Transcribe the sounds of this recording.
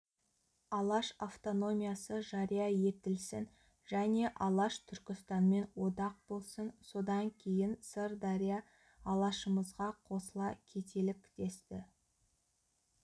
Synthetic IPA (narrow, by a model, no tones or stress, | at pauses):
ɑlˠɑʃaft̪o̞no̞mʲijɑsəʒɑɾijɑje̞t̪ɪlsɪn | ʒ̥æne̞ʔɑlˠɑʃt̪ʰʏɾkʲɪst̪ɑnme̞nwo̞d̪ɑq̚bo̞lˠsənso̞d̪ɑŋkʲʰe̞jɪnsəɾd̪ɑɾʲijɑ | ɑlˠɑʃəməzʁɑqʰo̞səlˠɑkʲʰe̞t̪ʰe̞lɪkʲd̪e̞st̪ɪ